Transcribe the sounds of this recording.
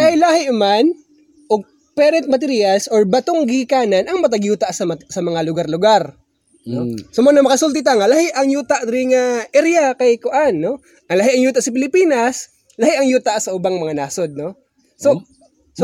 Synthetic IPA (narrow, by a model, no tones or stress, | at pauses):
k̪ajlahɪʔʊman | ʔoɡ̚ | pɛːɾɛnt̪̚mɐt̪ɛɾiːɐsʔoɹbɐt̪oŋɡɪhɪkaːnɐnʔɐŋmɐt̪̬ɐɡjuːt̪ɐʔsɐsɐmɐŋalʊɡaɾlʊɡaɾ | nosomonɐmɐkɐsult̪ɪt̪aŋalɐhɪʔɐŋjuːt̪aʔt̪ɾɪŋɐʔɛɾjakɐjkʊʔanːo̞ | ʔɐŋlɐɦɪʔɐŋjuːt̪ɐʔsɐpɪlɪpiːnɐs | lɐhɪʔɐŋjuːt̪ɐʔsɐʔʊbaŋmɐŋanaːsod̪̚no | so | so